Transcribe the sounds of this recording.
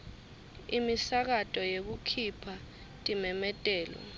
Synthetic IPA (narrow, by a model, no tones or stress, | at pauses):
imisak̬atʼɔjek̬ukʰipʰa | tʼimɛmɛtʼɛːlɔ̰